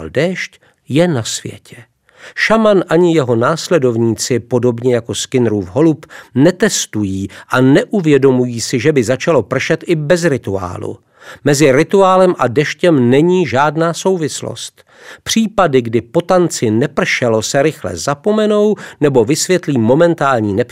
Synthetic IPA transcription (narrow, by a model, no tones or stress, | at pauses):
ldɛːʃc | jɛnasvjɛ̰cʰɛ | ʃamanʔaɲɪjɛɦo̞naːslɛdo̞vɲiːt͡sɪpo̞do̞bɲɛjako̞skɪnɾuːfɦo̞lupnɛt̪ɛst̪ujiːʔanɛʔuvjɛdo̞mujiːsɪʒɛbɪzat͡ʃalo̞pr̩ʃɛt̪ʔɪbɛzɾɪt̪ua̰ːlṵ | mɛzɪɾɪt̪uaːlɛmʔadɛʃcɛmnɛɲiːʒaːdnaːso̞wvɪslo̰st̪ | pr̝̥iːpadɪɡdɪpo̞t̪ant͡sɪnɛpr̩ʃɛlo̞sɛɾɪxlɛ̰zapo̞mɛno̞wnɛbo̞vɪsvjɛt̪liːmo̞mɛnt̪aːlɲiːnɛp